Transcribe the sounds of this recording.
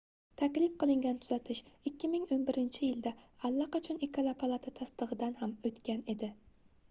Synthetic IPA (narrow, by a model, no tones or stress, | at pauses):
t̪ʰakʲlɪfqɨlˠɪŋɡʲant̪ʰʊzat̪ʰɪʃɪkʲːɪmɪŋonbɪɾɪnt͡ʃʰɪjɪld̪aalːɑqɑt͡ʃʰɒnekʰalˠapʰalˠat̪ʰat̪ʰast̪ɨʁɨd̪anhamɵt̪kʲane̞d̪ɪ